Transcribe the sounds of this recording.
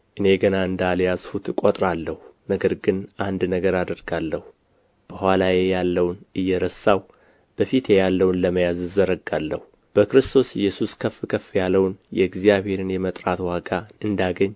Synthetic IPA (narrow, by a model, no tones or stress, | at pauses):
ʔɨne̞ɡənaɨnd̪aljazhut̪kʼot̪ʼɾalːəhunəɡəɾɡɨnʔand̪nəɡəɾad̪əɾɡalːəhu | b̥əhʷalajejalːəwnɨjːɛɾəsːaw | b̥əfit̪ʰjejalːəwnləməjazzəɾəɡalːəhu | b̥əkɾɨst̪ʰo̞sɪjːɛsuskʰəfɨkʰəfjalːəwnjɛɪɡzijaβhe̞ɾɨnjɛmət̪ʼɾat̪waɡaɨnd̪aɡəɲː